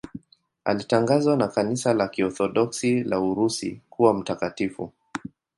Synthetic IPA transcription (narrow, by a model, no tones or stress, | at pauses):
a̰litaŋɡazwanakanisalakiɔθɔɗɔksilauɾusḭkuwam̩takatifṵ